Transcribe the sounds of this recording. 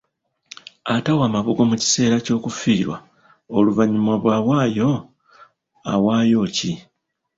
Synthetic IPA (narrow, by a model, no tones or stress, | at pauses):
atawaːmaβuɡo̞muci̥se̞ːɾaco̞ːkufiːɾwa̰ | oluvaɲimwaβwaːwaːjo̞ | a̰waːjo̞ːci